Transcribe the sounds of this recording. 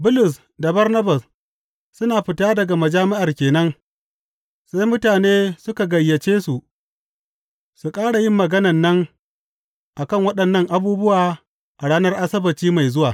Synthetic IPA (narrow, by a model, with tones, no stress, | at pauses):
bʊ˦lʊ˨s̬ | da˨bɐ˦rnɐ˦ba˨s | sʊ˦naː˨ɸɪ˨taː˦dɐ˨ɡa˨mɐ˨d͡ʒaː˦mɪ˦ʔa˨rkʲeː˨nɐ˦ŋ | sa˦jmʊ˦taː˨neː˦sʊ˦ka˨ɡɐ˨jːɐ˨t͡ʃeː˦su˨ʔ | su˨kʼaː˦ɽa˨jɪ˦mːɐ˨ɡɐ˦nɐ˨nːɐ˦ŋ | ʔa˨kɐ˦˨ŋwɐ˦ɗɐ˨nːɐ˦ŋʔa˨buː˦bʊ˦waː˨ | ʔa˨ɽaː˦nɐ˦rʔa˦sɐ˦bɐ˨tiː˦ma˨jzʊ˦waː˨